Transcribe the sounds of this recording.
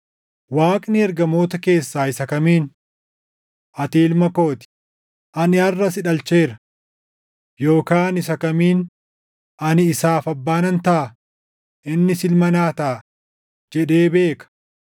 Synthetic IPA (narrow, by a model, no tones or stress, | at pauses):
waːkʼnɪɛɾɡɐmo̞ːt̪ɐke̞ːsːaːɪsɐkɐmiːn | ʔɐt̪iːlmɐko̞ːt̪ɪ̥ | ʔɐnɪɐrːɐsɪᶑɐlt͡ʃe̞ːɾɐ | jo̞ːkaːnɪsɐkɐmiːn | ʔɐnɪːsaːfɐbːaːnɐnt̪ɐʔɐ | ʔɪnːɪsɪlmɐnaːt̪ɐʔː | d͡ʒɛᶑe̞ːbe̞ːkɐ̥